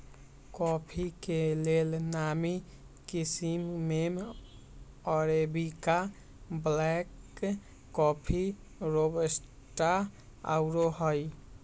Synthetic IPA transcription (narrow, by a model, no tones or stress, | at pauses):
kɔpʰikelelnami | kisimmem | ɔɾebika | blɛkː | ɔpʰi | ɾobes | ʈa | a̰wɾoɦɔj